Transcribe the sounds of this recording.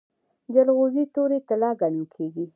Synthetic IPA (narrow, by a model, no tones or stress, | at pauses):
d͡ʒalɣozit̪oɾet̪ɪlɑɡanukʰeɡi